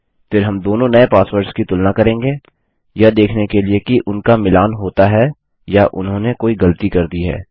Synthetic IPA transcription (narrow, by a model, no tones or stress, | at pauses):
fɪɾɦɐmd̪oːnõnɐepaːsʋəɾɖskit̪ʊlnakɐɾẽːŋɡeː | jad̪eːkʰnekeliekiʔʊnkamɪlaːnɦoːt̪aɦɛ | jaʔʊ̰nɦõːnekoːiɡɐlət̪ikɐɾd̪iɦɛ̰ː